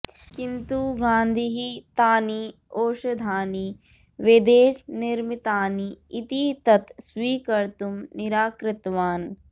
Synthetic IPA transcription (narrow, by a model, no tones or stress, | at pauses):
kɪnt̪uɡãːnd̪ʱiɦit̪aːniː | oːʃɐd̪ʱaːniː | ʋed̪eːʃnɪɾmit̪aːniːt̪it̪ɐt̪sʋiːkɐɾt̪umnɪɾaːkɾɪt̪ʋaːn